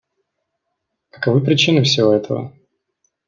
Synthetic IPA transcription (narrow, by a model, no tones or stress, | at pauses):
kə̥kɐvɨpɾʲɪt͡ɕinɨfsʲɪvoɛt̪ʰəvə̰